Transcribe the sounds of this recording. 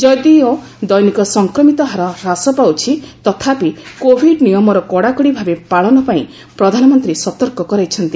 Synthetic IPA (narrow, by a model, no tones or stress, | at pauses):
d͡ʒɔd̪iɔ | d̪ɔjnikɔsɔŋkɾɔmit̪ɔɦaɾɔɾasɔpawt͡ʃʰit̪ɔt̪ʰapikobʱiɖnijɔmɔɾɔkɔɽakɔɽibʱabepaɭɔnɔpaĩ | pɾɔd̪ʱanɔmɔnt̪ɾisɔt̪ɔɾkɔkɔɾajt͡ʃʰɔnt̪i